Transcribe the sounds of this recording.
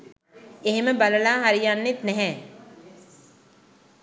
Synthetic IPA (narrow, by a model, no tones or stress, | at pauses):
eɦmẽbɐləlãːɦɐɾjaːnːit̪nɛɦɛ̃